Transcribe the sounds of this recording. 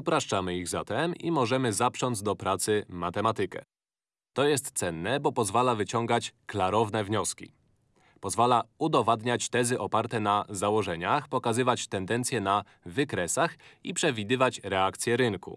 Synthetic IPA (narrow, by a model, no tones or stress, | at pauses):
upɾaʂt͡ʂamɘiɣza̰t̪ɛmḭmɔʐɛmɘzapʂɔnd̪zd̪ɔpɾat̪sɘmat̪ɛmat̪ɘkɛ̰ | t̪ɔjɛst̪t̪sɛnːɛbɔpɔzvalavɘt͡ɕɔŋɡat͡ɕklaɾɔvnɛvɲɔskʲḭ | pɔzvalaud̪ɔvad̪ɲat͡ɕt̪ɛzɘʔɔpaɾt̪ɛnazawɔʐɛɲaxpɔkazɘvat͡ɕt̪ɛnd̪ɛnt̪sʲjɛna | vɘkɾɛsaxipʂɛvʲid̪ɘvat͡ɕɾɛakt̪sʲjɛɾɘŋkṵ